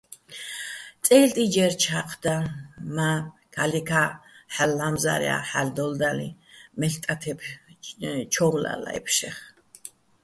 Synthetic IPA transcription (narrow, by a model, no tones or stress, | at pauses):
t̪ʼɛlt̪ʼid͡ʒɛɾt͡ʃʰaqʼʰd̪amakʰalikʰaħalːamza̰ɾɛ̰a̰ħald̪ɔld̪alḭmɛɬt̪ʼat̪ʰɛpʰ | t͡ʃʰɔwla̰la̰ɛ̰pʰʃɛχ